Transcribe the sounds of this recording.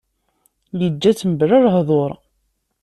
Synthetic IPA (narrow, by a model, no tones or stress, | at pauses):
jəd͡ʒːæt͡sːəməbrəɾˤɦðˤoɾˤ